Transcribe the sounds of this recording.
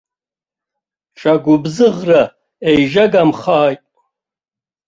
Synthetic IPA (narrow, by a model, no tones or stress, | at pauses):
ʈ͡ʂʼaɡʷʊbzɨʁra | ejʒaɡamχaːjtʼ